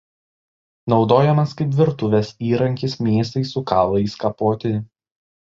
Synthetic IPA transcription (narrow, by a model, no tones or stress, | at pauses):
nɒʊd̪oːjɛmɐskɐɪp̬ʲʋʲɪɾt̪ʊʋʲɛsiːɾɐŋʲkʲɪsmʲeːs̬t̪ɐɪsʊkɑːlˠɐɪskɐpoːt̪ʲɪ